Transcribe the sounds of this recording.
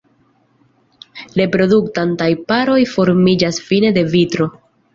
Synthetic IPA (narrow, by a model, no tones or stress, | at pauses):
le̞pɾo̞duktantajpaɾo̞jfo̞ɾmid͡ʒasfine̞de̞vitɾo